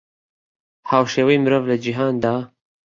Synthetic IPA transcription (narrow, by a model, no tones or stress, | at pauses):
haːwʃeːwɛimɨɾoːvlad͡ʒiɦɑːnd̪ɑː